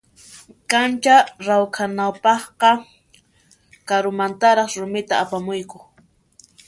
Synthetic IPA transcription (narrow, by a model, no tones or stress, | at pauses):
kant͡ʃaɾawkʰanawpɑχqɑ | kaɾʊmant̪aɾɑχɾʊmɪt̪aːpamʊjkʊ